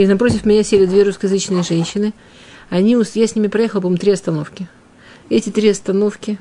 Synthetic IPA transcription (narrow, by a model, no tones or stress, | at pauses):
inɐpɾo̞tʲɪfmʲɪnʲasʲelʲɪd̪vʲeɾuskəjɪzɨt͡ɕnɨjəʐɛnʲɕːɪnɨ | ɐnʲiʊsjasʲnʲimʲɪpɾɐjexlˠpɐt̪omt̪ɾʲiɐst̪ɐno̞fkʲɪ | ɛtʲɪt̪ɾʲiɐst̪ɐno̞fkʲɪ